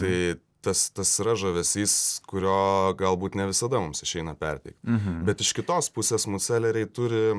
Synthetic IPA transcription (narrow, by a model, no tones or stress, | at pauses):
t̪ɐɪ | t̪ɐst̪ɐsɾɐʒɐʋʲɛsʲiːskʊɾʲoːɡɐlˠbuːt̪nʲɛʋʲɪsɐd̪ɐmʊmsɪʃʲɛɪnɐpʲɛrʲt̪ʲɛɪkt̪bʲɛt̪ɪʃkʲɪt̪oːspʊsʲeːsmʊt͡s̪ʲæːlʲɛɾʲɛɪt̪ʊɾʲɪ